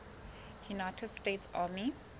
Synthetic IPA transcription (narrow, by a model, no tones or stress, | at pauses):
junaɪtʰədsteːtsaːmi